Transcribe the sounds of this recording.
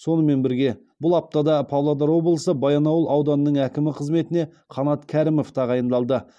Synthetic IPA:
so̞nəme̞nbɪɾɡʲe̞ | bʊlˠɑp̚t̪ɑd̪ɑpʰɑvlˠɑd̪ɑɾwo̞blˠəsəbɑjɑnɑwəlˠʔɑwd̪ɑnənəɴækʲɪmɪqʰəzme̞t̪ɪne̞ | qʰɑnɑt̪kʲʰæɾɪmo̞ft̪ʰɑʁɑjənd̪ɑlˠd̪ə

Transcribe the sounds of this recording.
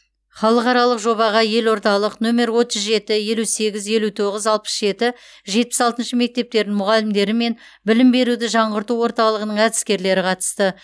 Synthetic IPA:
χɑlˠəqɑɾɑlˠəqʒo̞βɑʁɑje̞lwo̞ɾt̪ɑlˠəqnome̞ɾwo̞t̪ʒzʒe̞t̪ɪje̞luse̞ɡʲɪzje̞lut̪ʰo̞ʁəzɑlˠpə̥sʒe̞t̪ɪʒe̞t̪̚pɪsɑlˠt̪ənʃəme̞k̚t̪e̞p̚t̪e̞ɾd̪ɪŋmʊʁɑlɪmd̪e̞ɾɪme̞n | bɪlɪmbe̞ɾud̪ɪʒɑɴʁəɾt̪uwo̞ɾt̪ɑlˠəʁənəɴæd̪ɪskʲe̞ɾle̞ɾɪqʰɑt̪ə̥st̪ə

